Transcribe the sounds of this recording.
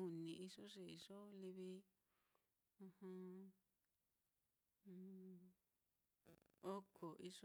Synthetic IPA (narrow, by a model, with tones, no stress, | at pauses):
u˨nĩ˨i˧ʂo˦ʐe˧i˧ʂo˦li˧βi˦ | ũ˧hũ˧ | o˦kʰo˨ʔi˧ʂo˦